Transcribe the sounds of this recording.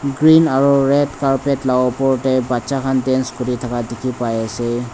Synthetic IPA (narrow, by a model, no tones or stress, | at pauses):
ɡɹinaɹuɹɛdkaɹpɛtlawpɔɹtɛbatsakʰandɛnskoɹitʰakadekʰipajasɛ